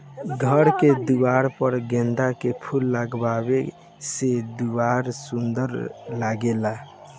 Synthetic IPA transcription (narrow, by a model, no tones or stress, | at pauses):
ɡʱəɾked̪uwaɾpəɾɡẽnd̪akepʰulːaɡbabe | sed̪uwaɾsund̪əɾlaɡela